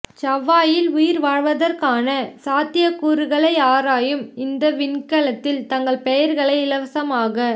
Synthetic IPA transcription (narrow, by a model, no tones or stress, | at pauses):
t͡ʃɐʋːaːjɪlʊjɪɾʋaːɻʋɐðɐrkaːnɐsaːt̪ɪjɐkːuːɾɯɣɐɭɐɪaːɾaːjɯmɪnd̪ɐʋɪnkɐɭɐt̪ːɪlt̪ɐŋɡɐɭpɛjɐɾɣɐɭɐɪɪlɐʋɐsɐmaːɣɐ